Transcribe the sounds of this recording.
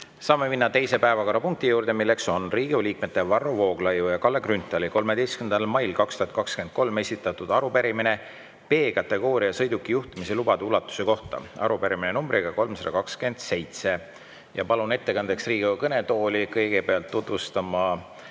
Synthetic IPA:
sɑːmːeminːɑt̪e̞jse̞pæe̞vɑko̞ɾɑpuŋk̚t̪ijuːɾd̪̥e̞milːekso̞nriːɡiuliːk̚met̪ːˑe̞vɑrːovo̞ːɡ̥lɑjujɑkɑlːeɡrynt̪ːˑɑliko̞lme̞d̪ejskynd̪ɑlmɑjlkɑkst̪uhɑt̪̚ˑkɑkske̞nd̪̚ko̞lme̞sʲit̪ːˑɑt̪ːud̪̥ɑɾupeɾimine̞ | pe̞ːkɑt̪ːˑe̞ɡo̞ːɾiɑsɤ̞jd̪̥ukˑːijuht̪imiselubɑd̪eulɑt̪ːˑu̥seko̞ht̪ɑ̰ɑ̰ɾupeɾiminenumbɾʔiɡ̥ɑko̞lmsɑd̪ɑkɑkske̞nd̪̥se̞jt̪se̞ | jɑpɑlune̞t̪ːe̞kɑnd̪̥e̞ksriːɡ̥iukɤne̞t̪o̞ːlʲikɤjɡ̥e̞peɑlt̪ːut̪vust̪ɑmɑ

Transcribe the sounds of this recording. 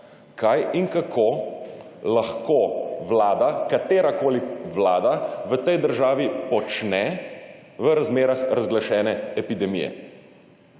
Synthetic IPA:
kʰajiŋkakʰo | laxkoʋlaːd̪akat̪eːɾakoːliʋlaːd̪aʋət̪ɛjd̪əɾʒaːʋipɔt͡ʃnɛ | ʋəɾazmeːɾaxɾazɡlaʃɛːnɛɛpid̪ɛmḭjɛ̰

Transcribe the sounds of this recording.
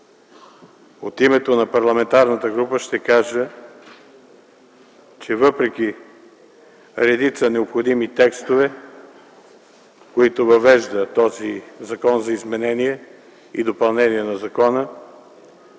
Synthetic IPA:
ot̪imɛt̪onɐpɐɾlˠɐmɛnt̪aɾnət̪əɡɾupəʃt̪ɛkaʒə | t͡ʃɛvɤpɾɛk̟i | ɾɛd̪it̪sənɛopxod̪imit̪ɛkst̪ovɛ | koit̪ovɐvɛʒd̪ət̪ɔzizɐkɔnzɐizmɛnɛniɛ | id̪opɐlˠnɛniɛnɐzɐkɔnə

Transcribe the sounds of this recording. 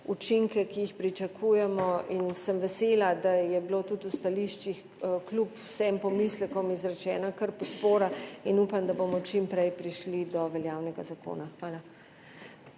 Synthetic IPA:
ut͡ʃiŋkɛkijixpɾit͡ʃakʰuːjɛmɔinsəmʋɛseːlad̪ajɛbilot̪ut̪ust̪aliʃt͡ʃix | klupwsɛmpɔmislɛkɔmizɾɛt͡ʃɛːnakəɾpɔt̪poːɾainuːpamd̪abomɔt͡ʃimpɾɛjpɾiʃlid̪ɔʋɛljaːwnɛɡazako̰ːnaxʋaːla

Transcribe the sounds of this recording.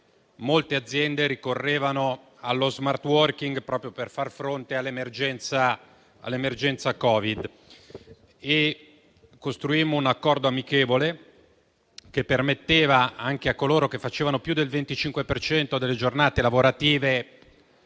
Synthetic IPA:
molt̪ead̪zːjɛnd̪eɾikorːeːvano | alːozmart̪wɔrkiŋɡpɾɔːpɾjoperfarfɾont̪ealːemerd͡ʒɛnt̪sa | a̰lːemerd͡ʒɛnt̪sakɔːvid̪ | e | kːost̪ɾuimːounakːɔrd̪oamikeːvole | kepːermet̪ːeːvaaŋkeakːoloːɾokefat͡ʃeːvanopjud̪elvent̪it͡ʃiŋkwepert͡ʃɛnt̪od̪elːed͡ʒornaːt̪elavoɾat̪iːve

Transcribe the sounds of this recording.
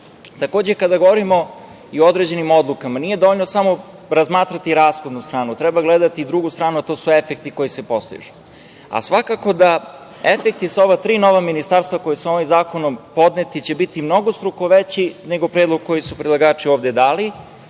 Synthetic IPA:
t̪ako̞ːd͡ʑekad̪aɡooɾimo̞ | iood̪ɾe̞d͡ʑe̞nimod̪lˠukamanije̞d̪o̞ʋoʎnosamo̞ | ɾazmaːt̪ɾat̪iɾaːsxo̞d̪nust̪ɾaːnut̪ɾɛbaɡled̪at̪iːd̪ɾuɡust̪ɾaːnuat̪o̞ːsue̞fek̚t̪iko̞jisepo̞slḭʒu̥ | a̰sʋakako̞d̪a | efek̚t̪isao̞ʋat̪ɾiːno̞ʋaminist̪aɾst̪vako̞jesuomimzaːko̞nompo̞d̪net̪it͡ɕe̞bit̪imno̞ɡost̪ɾuko̞ʋet͡ɕine̞ɡo̞pɾed̪lˠoɡ̚ko̞jisupɾid̪lˠaɡaːt͡ʃio̞ːʋd̪ed̪aːli

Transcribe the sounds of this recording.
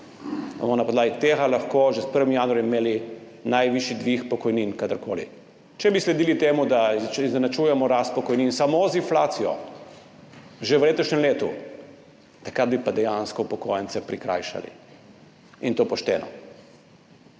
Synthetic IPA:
ba̰mɔnapɔd̪laːɡit̪eːɣalaxkoʒɛspəɾʋimjanuaɾjmeːli | najʋiʃid̪ʋixpɔkɔjninkad̪əɾkoːlḭ | t͡ʃɛbislɛd̪iːlit̪eːmud̪aiznɛnat͡ʃujɛmɔɾast̪̚pɔkɔjninsamozinflaːt̪sijɔ̰ | ʒeʋleːt̪ɔʃnɛmleːt̪ṵ | t̪ɐkɾad̪̚bipad̪ɛjanskɔpɔkojɛnt̪sɛpɾikɾa̰jʃa̰lḭ | int̪oːpɔʃt̪ɛ̰ːnɔ̰

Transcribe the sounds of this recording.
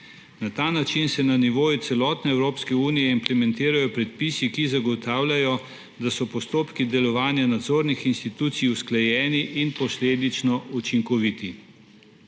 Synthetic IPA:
nat̪aːnat͡ʃinsɛnaniʋoːjut̪sɛlɔt̪nɛɛwɾoːpskɛuːnijɛimplɛmɛnt̪iːɾajɔpɾɛt̪̚pisikizaɡɔt̪aːwlʲajɔ | d̪asɔpɔst̪oːpkid̪ɛlɔʋaːnjanad̪zoːɾnixinst̪it̪uːt̪sijusklɛjɛːniʔinpɔsleːd̪it͡ʃnɔʔut͡ʃiŋkɔʋit̪i

